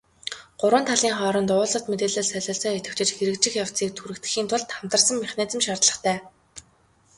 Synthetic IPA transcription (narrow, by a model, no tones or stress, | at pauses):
ɢ̥ʊɾwə̆nt̪ʰaɮiːŋχɔːɾə̆nt̪ʊːɮɞ̆ə̆t̪met̪eːɮeːɮsœɮɔɮsɔːit̪ɘ̆kt͡ɕɪ̆t͡ɕxeɾɘ̆kt͡ɕɪ̆xjaw̥t͡siːk̚t̪ʰuɾɘ̆kt̪ɘ̥̆xiːnt̪ʰʊɮt̪χam̥t̪ə̆rsə̆mːiχneːt͡sɘ̆mʃart̪ɮə̆χt̪ʰæː